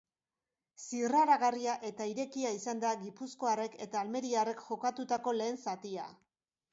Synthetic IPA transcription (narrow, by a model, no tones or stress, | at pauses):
siraɾaɣariaʔe̞t̪aiɾe̞kiaisand̪aɣipusko̞are̞ke̞t̪aːlme̞ɾiare̞kʝo̞kat̪ut̪ako̞le̞ːnsat̪ia̰